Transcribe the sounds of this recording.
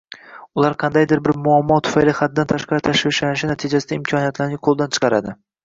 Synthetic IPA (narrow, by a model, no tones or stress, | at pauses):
ʊlˠaɾqʰɑnd̪ajd̪ɪɾbɪɾmʊamːɒt̪ʰʊ̥fajlɪχat̪̚ːant̪ʰaʃqɑɾɪt̪ʰaʃvɪʃlanɪʃɪnat̪ʰɪd͡ʒasɪd̪aɪmkʰɒnijat̪laɾnɪqʰolˠd̪ant͡ʃʰɨ̥qɑɾad̪ɪ